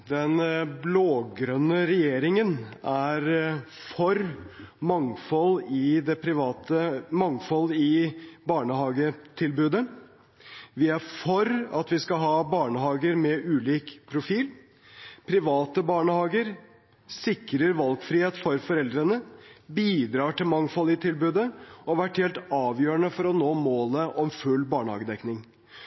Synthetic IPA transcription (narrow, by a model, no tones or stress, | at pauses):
d̪ɛnbloːɡɾœnːəɾɛjeːɾɪŋənæɾ | fɔɾ | mɑŋfɔlɪd̪ɛpʰɾɪʋɑːt̪əmɑŋfɔlːɪbɑːɳəhɑːɡət̪ʰɪlbʉːd̪ə | ʋɪæɾfɔɾɑ̰t̪ʋɪskɑɦɑːbɑːɳəhɑːɡəɾmɛʔʉːliːkpʰɾʊfiːl | pʰɾɪʋɑːt̪əbɑːɳəhɑːɡəɾ | sɪkɾəɾʋɑlɡfɾiːheːt̪fɔɾfɔɾɛld̪ɾənəbiːd̪ɾɑːʈɪlmɑŋfɔlːɪt̪ʰɪlbʉːd̪əɔʋæʈhɛːlt̪ɑːʋjøːəɳəfɔɾɔnoːmoːləʔɔmfʉlːbɑːɳəhɑ̰ːɡəd̪ɛknɪŋ